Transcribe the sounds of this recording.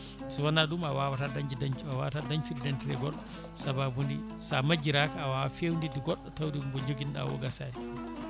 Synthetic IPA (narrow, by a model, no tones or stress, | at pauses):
swanaɗumawawatadaɲd͡ʒidaɲt͡ʃuawawtadaɲt͡ʃudidantiɾɛɡɔɗːɔ | sababundḭsamad͡ʒiɾakaawawfewndidiɡɔɗːɔtawdimbɔɲd͡ʒoɡinɗa̰wɔ̰ɡasaːji